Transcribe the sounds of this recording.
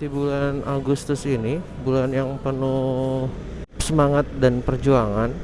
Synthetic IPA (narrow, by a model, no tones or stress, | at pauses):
t̪ibulanʔaɡust̪ʊsini | bulanjaŋpərnu | səmaŋat̪̚danpərd͡ʒuaŋan